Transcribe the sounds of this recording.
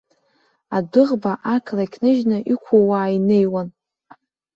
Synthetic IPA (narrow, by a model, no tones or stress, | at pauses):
adɨʁbaʔakʰlakʲʰnɨʒnaʔikʷʰawaːine̞jwan